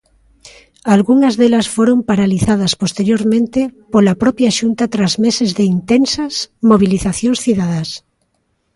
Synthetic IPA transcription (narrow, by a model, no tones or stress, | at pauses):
alɣuŋazðelasfoɾompaɾaliθað̞aspost̪eɾjoɾmẽnt̪epolapɾɔpjaʃunt̪at̪ɾazmesezðeint̪ensasmoβ̞iliθaθjonsθiðaðas